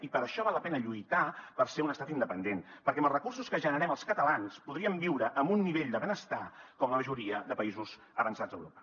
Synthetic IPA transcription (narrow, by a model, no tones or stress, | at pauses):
ipəɾəʃɔβaləpɛnəʎujt̪apəɾseunəst̪at̪ind̪əpənd̪enpəɾkɛəməlˠzrəkursuskəʒənəɾɛməlˠskət̪əlanspuðɾiəmbiwɾəʔəmbunːiβeʎd̪əβenəst̪akɔmləməʒuɾiəðəpəizuz̥ | əβənsad͡zzd̪əwɾopə̥